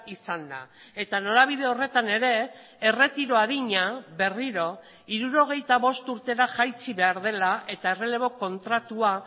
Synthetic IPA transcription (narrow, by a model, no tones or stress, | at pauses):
isand̪a̰ | e̞t̪ano̞ɾaβ̞iðe̞o̞re̞t̪ane̞ɾe̞ː | re̞t̪iɾo̞aðiɲaβe̞riɾo̞ | iɾuɾo̞ɣ̞e̞jt̪aβ̞o̞st̪uɾt̪e̞ɾaʝajt͡siβe̞aɾð̞e̞laʔe̞t̪ae̞re̞le̞β̞o̞ko̞nt̪ɾat̪ua